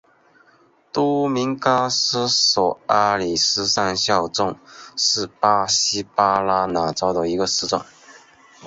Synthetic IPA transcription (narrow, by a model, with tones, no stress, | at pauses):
t̪u˥mi˧˥ŋka˥sɹ̩˥sɔ˨˩a˥li˨˩sɹ̩˥sa˥˧nɕjɑ˥˧ʊʈ͡ʂʊ˥˧ŋʂɻ̩˥˩pa˥ɕi˥pa˥la˥na˧˥ʈ͡ʂɑ˥ʊd̪ə˨i˧˥ɡə˧sɹ̩˥ʈ͡ʂwa̰˨˩n